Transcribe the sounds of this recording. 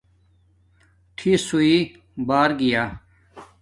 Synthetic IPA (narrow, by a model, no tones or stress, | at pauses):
ʈʰisui | baːɾɡijaː